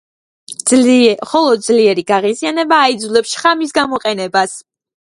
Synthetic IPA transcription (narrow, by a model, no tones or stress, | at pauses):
χɔlˠɔd̪̚zliɛɾiɡaʁizianɛbaːid̪zulɛpsʃχamisɡamɔqʼɛnɛbas